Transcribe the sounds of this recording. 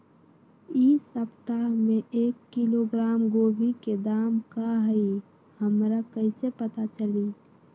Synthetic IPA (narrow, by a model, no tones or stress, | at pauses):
isəpt̪amẽʔeːkːiloɡɾaːmɡoːbiked̪aːmkaɦəi | həmɾakəɪsepət̪at͡ʃəli